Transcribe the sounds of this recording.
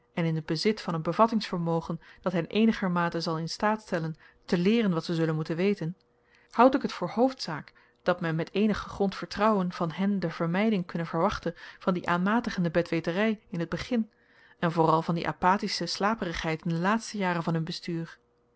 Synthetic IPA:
ɛnɪnɦəd̚bəzɪtfɑnɦənbəvɑtɪŋsfəɹmowχənd̥ɑtɦɛnʔejnəχəɹmaːtəzɑlˠɪnstaːtstɛlən | təlɪːrənʋɑtsəzɵlənmutənʋejtən | hʌwtɪkɦətfʊːɹɦowftsaːk | d̥ɑtmɛnmɛtejnəχəχrɔntfəɹtrɑwənv̥ɑnɦɛndəv̥əɹmɛjdɪŋkɵnəvəɹʋɑχtənv̥ɑndiʔaːnmaːtəχəndəbɛtʋejtərɛjɪnɦəd̚bəχɪn | ɛnvʊːrɑlˠvɑndḭʔa̰ːpaːtisəslaːpərəχɦɛjtɪndəlaːtstəjaːrənvɑnɦɵnbəstyːɹ

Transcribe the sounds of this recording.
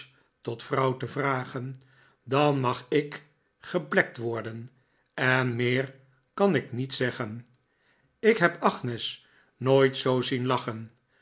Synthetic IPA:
tɔtfrʌwtəvraːχən | dɑnmɑχɪk | χəplɛk̚tʋɔɹdən | ɛnmɪːɹ | kɑnɪknitsɛχən | ɪkɦɛpɑχnɛs | noːjtsowzinlɑχən

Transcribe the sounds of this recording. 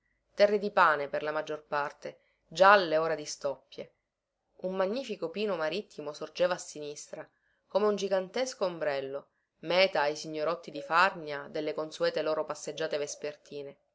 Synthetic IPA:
t̪ɛrːed̪ipaːneperlamad͡ʒːorpart̪e | d͡ʒalːeoːɾad̪ist̪ɔpːje | umːaɲːiːfikopiːnomaɾit̪ʰːimosord͡ʒeːvaːsːinist̪ɾa | koːmeund͡ʒiɡant̪eskombɾɛlːo | mɛːt̪aːjsiɲːoɾɔt̪ːid̪ifarnjad̪elːekonsuɛːt̪eloːɾopasːed͡ʒːaːt̪evespert̪ʰiːne

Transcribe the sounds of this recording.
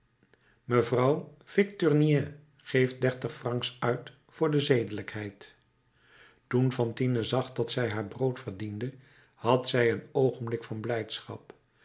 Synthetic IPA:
məvrɑwv̥ɪktyɹniɛ | χejft̚dɛɹtəχfrɑŋksœɥt | fʊːɹdəzejdələkɦɛjt | tunvɑntinəzɑχdɑtsɛjɦaːɹbrowtfəɹdində | hɑtsɛjənowχənblɪkfɑnblɛjtsχɑ̰p̚

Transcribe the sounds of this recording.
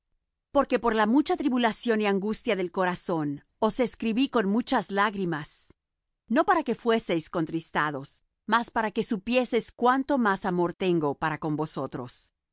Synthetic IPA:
po̞ɾke̞po̞ɾlamut͡ʃat̪ɾiβulasjo̞niaŋɡust̪jaðe̞lko̞ɾaso̞n | o̞se̞skɾiβiko̞nmut͡ʃazlaɣɾimas | no̞paɾake̞fwe̞se̞jsko̞nt̪ɾist̪aðo̞s | maspaɾake̞supje̞se̞skwant̪o̞masamo̞ɾt̪e̞ŋɡo̞paɾako̞mbo̞so̞t̪ɾo̞̰s

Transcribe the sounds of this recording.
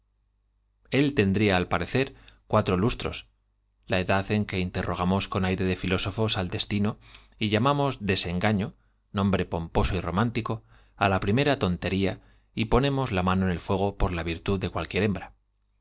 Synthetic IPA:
e̞lt̪e̞nd̪ɾiaːlpaɾe̞θe̞ɾkwat̪ɾo̞lust̪ɾo̞̰s | lae̞ðaθe̞ŋke̞int̪e̞rʔo̞ɣ̞amo̞sko̞najɾe̞ð̞e̞filo̞so̞fo̞sald̪e̞st̪ino̞ | iʎamamo̞zðe̞se̞ŋɡaɲo̞ | nõ̞mbɾe̞po̞mpo̞soiro̞̰mãnt̪iko̞ | alapɾime̞ɾat̪o̞nt̪e̞ɾia | ipo̞nẽ̞mo̞zlamãno̞ene̞lfwe̞ɣ̞o̞po̞ɾlaβiɾt̪uððe̞kwalkje̞ɾe̞mbɾa

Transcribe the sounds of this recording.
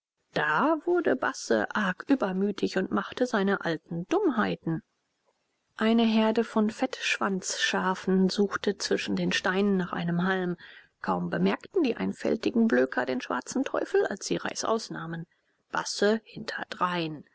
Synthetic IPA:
d̥aːvʊɐdəba̰sə̰ʔaɐkʰʔyːbɐmyːtʰɪçʊntmaχtəzaɪnəʔaltn̩d̥ʊmɦaɪtn̩ | ʔaɪnəɦɛɐdəfɔnfɛtʃv̥ant͡sʃaːfn̩zuːxtət͡sv̥ɪʃn̩deːnʃtaɪnənːaːχʔa̰ɪnəmɦalm | kʰaʊmbəmɛɐktn̩diːʔa̰ɪnfɛ̰ltɪɡŋ̩bløːkʰɐdeːnʃv̥a̰ɐt͡sn̩tʰɔ̰ʏfl̩a̰lsz̥iːʁa̰ɪsʔa̰ʊsnaːmən | b̥a̰səhɪntʰɐdʁaɪn

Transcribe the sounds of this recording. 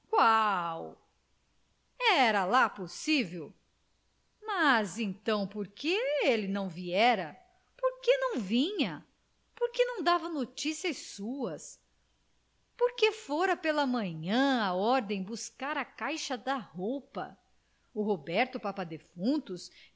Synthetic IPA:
kwaw | ɛɾɐlaposivew | mɐzẽnt̪ɐ̃w̃poɾkeelɪnɐ̃w̃viɛɾɐ | poɾkenɐ̃w̃vĩɲɐ | poɾkenɐ̃w̃d̪avɐnot͡ʃisiɐssuɐs | poɾkefoɾɐpelɐmɐ̃ɲɐ̃aɔɾd̪ẽj̃buskaɾɐkajʃɐd̪ɐhowpɐ̰ | ʊɦobɛɾt̪ʊpapɐd̪efũt̪ʊs

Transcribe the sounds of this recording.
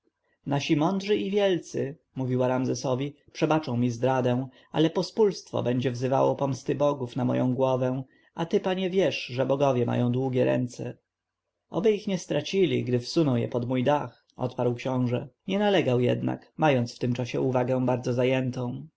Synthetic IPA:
naɕimɔnd̪ʐɘʔivʲjɛlt̪sɘ | muvʲiwaɾamzɛsɔvʲipʂɛbat͡ʂɔ̃w̃mʲizd̪ɾad̪ɛ̃w̃ | a̰lɛpɔspulst̪fɔ̰bɛɲd͡ʑɛvzɘva̰wɔpɔmst̪ɘbɔɡufnamɔ̰jɔ̰̃w̃ɡwɔvɛ̃ | at̪ɘpaɲɛvʲjɛʂʐɛbɔɡɔvjɛmʔa̰jɔ̃w̃d̪wuɡʲɛɾɛ̰nt̪sɛ | ʔɔ̰bɘixɲɛst̪ɾat͡ɕilʲḭɡd̪ɘfsunɔw̃jɛ̰pɔd̪mujd̪ax | ɔ̰t̪paɾwkɕɔ̃w̃ʐɛɲɛnalɛɡawjɛ̰d̪na̰kmajɔnt̪sft̪ɘmt͡ʂaɕɛuvaɡɛ̃w̃baɾd̪zɔzajɛnt̪ɔ̃w̃

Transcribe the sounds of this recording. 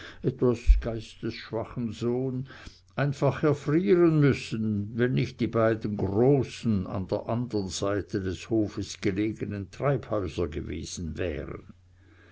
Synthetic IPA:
ʔɛtvasɡ̥aɪstəsʃv̥aχn̩zoːn | ʔaɪnfaχɛɐfriːʁənmʏsn̩vɛnːɪçtd̥iːbaɪdən̩ɡʁoːsn̩a̰nd̥eːɐʔandənz̥aɪtʰədɛshoːfəsɡ̥əleːɡənəntʁ̥aɪphœʏzɐɡəvḛːz̥n̩vɛ̰ːʁə̰n

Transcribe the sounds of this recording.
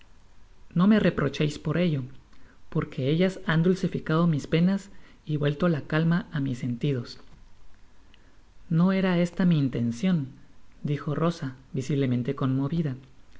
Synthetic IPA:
no̞me̞re̞pɾo̞t͡ʃejspo̞ɾe̞ʝo̞po̞ɾkʰe̞e̞ʝasand̪ulsifikað̞o̞mispe̞nas | iβwe̞lt̪olakalmaʔamise̞nt̪ið̞o̞s | no̞e̞ɾae̞st̪amiːnt̪e̞nsjo̞nd̪ixo̞ro̞sabisiβle̞mẽ̞nt̪e̞ko̞nmo̞βiða

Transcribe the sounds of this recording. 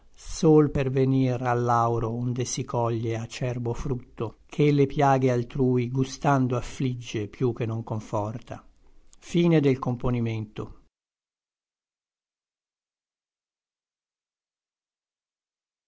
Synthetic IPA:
soːlperveniralːawɾoond̪esikʰɔʎːeat͡ʃːɛrbofɾut̪ːokʰelepjaːɡealt̪ɾuːiɡust̪and̪oafːlid͡ʒːepjuk̟ːenːoŋkoɱfɔrt̪ʰa̰ | fiːned̪elkomponiment̪o̰

